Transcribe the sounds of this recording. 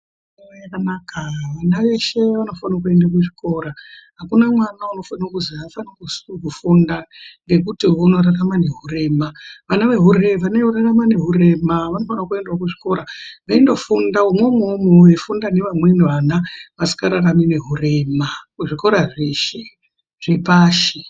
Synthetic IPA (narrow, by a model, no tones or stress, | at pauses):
aajakanaːkaʋanaʋe̞ʃe̞ʋano̞fanak̬ue̞ndak̬uʐiko̞ːɾaɦakunamwanauno̞fanakuziafanakuskufundaŋɡe̞k̬utiuno̞ɾaramane̞ɦure̞ːmaʋanaʋe̞ɦureʋaneuraramane̞ɦuɾe̞maʋano̞fanakue̞ndwak̬uʐiko̞ɾaʋaindo̞fundaumwemomujefundane̞ʋamweniʋanaʋasi̥kaɾaramine̞ɦure̞ːmakuʐiko̞ɾaʐeːʃe | ʐ̥epaːʃi